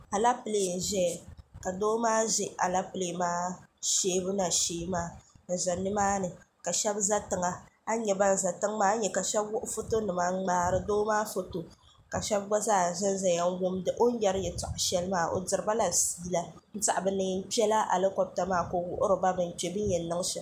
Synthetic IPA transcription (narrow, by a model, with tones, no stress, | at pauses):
a˨la˦pɨ˨le˨n̩˨ʒɛ˦˨ka˨doː˦maː˦ʒɪ˦a˨la˦pɨ˨le˦˨maː˦ʃeː˦bʊ˦na˨ʃeː˦maː˦n̩˨za˨nɨ˦maː˦nɨ˨ka˨ʃɛ˦bza˦tɨ˨ŋa˨a˦ɲɛ˨ba˦n̩˨za˨tɨ˦ŋmaː˦ɲɛ˨ka˨ʃɛ˦bwʊ˦ʔʊ˦fo˦to˦nɨ˨ma˦ŋ͡maː˦ɾɨ˨doː˦maː˦fo˦to˨ | ka˨ʃɛ˦b̚ɡa˦zaː˦˨ʒɪ˦n˦za˨ja˦ŋ˦wʊ˦mdɨ˦ʔo˦n̩˦jɛ˦ɾɨ˦jɛ˨tʊ˨ʔʊ˨ʃɛ˦lɨ˦maː˦˨ʔo̰˨dɨ˨ɾɨ˨˦ba˦la˨siː˦la˦n̩˦ta˨ʔbɨ˨˦nɨ˦n̩˦pɛ˦la˦ʔa̰˨lɨ˦ko˦b̚ta˦maː˦ko˦wʊ˦ʔʊ˦ɾɨ˨ba˦bɨ˨n̩˨t͡ʃe˨bɨ˦n˦jɛ˨˦nɨ˦ŋ˦ʃɛ˨